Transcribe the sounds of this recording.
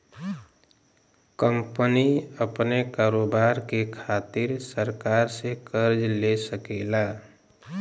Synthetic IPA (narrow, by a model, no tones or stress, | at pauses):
kəmpəniəpnekaːɾoːbaːɾkekʰaːt̪ɪɾsəɾkaːɾsekəɾd͡ʒlesəkelaː